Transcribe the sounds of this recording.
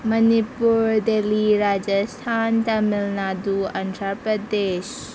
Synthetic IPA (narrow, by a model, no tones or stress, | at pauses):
mɐnipuɾdeliɾad͡ʒɐstʰantamilnaduantʰɾapɾɐdes